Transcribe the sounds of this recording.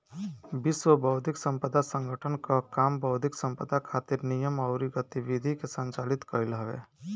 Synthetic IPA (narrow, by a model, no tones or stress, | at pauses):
bɪswəbʱəʊd̪ʱɪksə̃mpəd̪ʱasə̃ŋɡʱəʈʰənkakaːmbʱəʊd̪ʱɪksə̃mpəd̪ʱakʰaːt̪ɪɾnijəmɐʊɾiɡət̪iʋid̪ʱikesə̃nt͡ʃaːlɪt̪kəɾilɦəʋḛː